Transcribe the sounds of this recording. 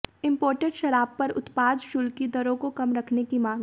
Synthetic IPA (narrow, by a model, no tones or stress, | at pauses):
ɪ̃mpoːɾʈəɖʃɐɾaːbpɐɾʊ̰t̪paːd̪ʃʊlkid̪ɐɾõkokɐmɾɐkʰnekimãːŋɡ